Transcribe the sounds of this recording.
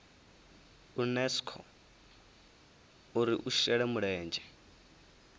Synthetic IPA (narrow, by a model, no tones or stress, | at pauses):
unɛskʰɔ̰ | uɾiʔuʃɛɺɛmuɺɛːnd͡ʒɛ